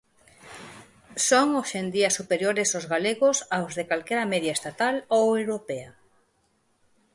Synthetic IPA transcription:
soŋoʃend̪iɐsupeɾjoɾesozɣaleɣʊsawzðekalkeɾɐmɛðjaest̪at̪alowewɾopea

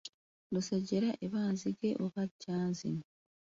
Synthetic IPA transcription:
nuseɟeɾaʔeβaːnziɡeʔokacaːnzḭn

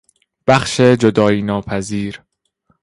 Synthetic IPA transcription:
b̥æxʃed͡ʒod̪ɒːjiːnɒːpʰæziːɾ

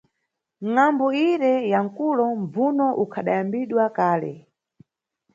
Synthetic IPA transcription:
ŋambɔiɾɛjaŋ̩kulɔmb͡vunɔʔukʰaɗajambiɗwakaːlɛ̰

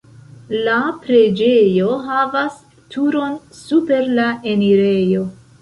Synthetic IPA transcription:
lapɾe̞d͡ʒe̞jo̞ɦavas | tʰuɾo̞n | supe̞ɾlae̞niɾe̞jo̞

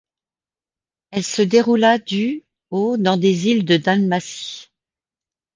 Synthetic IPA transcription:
ɛlsəd̪eʁulad̪y | od̪ɑ̃d̪ezild̪əd̪anmasi̥

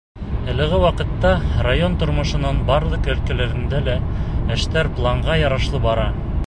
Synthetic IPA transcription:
æ̆lɘ̆ʁɘwɑqɤ̆t̪ːɑrajont̪ŏɾmŏʃɤ̆nɑnbɑɾlˠɤqæ̆lkælæɾɘ̆nd̪ælææʃt̪æɾplˠɑɴʁɑjɑɾɑʃlˠɤbɑɾɑ

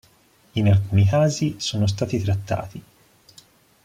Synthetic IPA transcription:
inalkuːnikaːzisoːnos̬t̪aːt̪it̪ɾat̪ːa̰ːt̪i

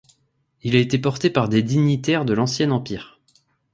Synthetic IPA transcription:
ilaet̪epɔʁt̪epaʁd̪ed̪iɲit̪ɛʁd̪əlɑ̃sjɛnɑ̃piːʁ

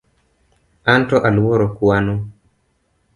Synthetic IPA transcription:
antɔʔalwoɾokwano

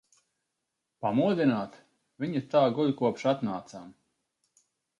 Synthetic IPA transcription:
pamuɔd̪ʲinaːt̪ | viɲit̪aːɡuʎʲkuɔpʃat̪naːt̪sam

